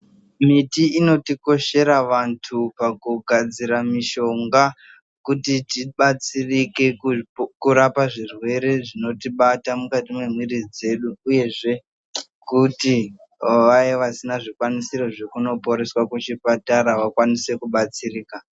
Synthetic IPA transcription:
mitiino̞tiko̞ʃe̞ɾaʋantʰupakuɡʱad͡ziɾamiʃo̞ŋɡa | kutitiɓat͡sirike̞kuɾapaʐirwe̞ɾe̞ʐino̞tiɓatamukatimwe̞mwirid͡ze̞ɗuːje̞ʐe̞ | kuti | ʋajeʋasinaʐikwanisiɾo̞ʐe̞kuno̞po̞ɾe̞swakut͡ʃipataɾaʋakwanise̞kuɓat͡siriːka

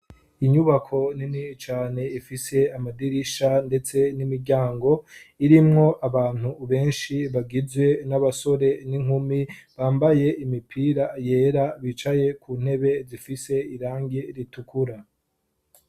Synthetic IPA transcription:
iɲuβakʰo̞ninit͡ʃaːne̞ifise̞amadiɾiʃande̞t͡se̞nimiɾɟaːŋɡo̞iɾimŋo̞ʔaβaːn̥uβe̞ːnʃiβaɡizwe̞naβaso̞ɾe̞niŋumiβaːmbaje̞ʔimipʰiːɾaje̞ːɾaβit͡ʃaje̞kun̥he̞βe̞zifise̞iɾaːŋɡeɾitukʰuɾa

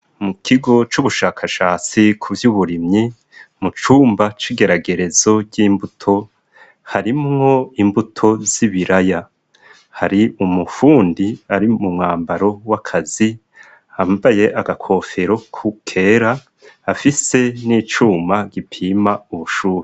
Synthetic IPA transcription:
mukʰiɡo̞t͡ʃuβuʃaːkʰaʃaːt͡sikʰuvjuːβuɾimɲi | mut͡ʃuːmbat͡ʃiɡe̞ɾaɡe̞ɾe̞zo̞ɟiːmbutʰo̞ | haɾimŋo̞imbutʰo̞z̥iβiɾaja | haɾiumufuːndiaɾimumŋaːmbaɾo̞wakʰazi | haːmbaje̞ʔaɡakʰo̞ːfe̞ɾo̞kʰukʰe̞ːɾaː | fise̞niːt͡ʃuːmaɡipʰiːmauβuʃuːɾe

